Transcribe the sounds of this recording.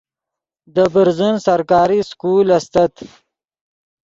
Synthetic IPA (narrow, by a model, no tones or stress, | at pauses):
d̪əbəɾzunsaɾkɑːɾiskuːlast̪at̪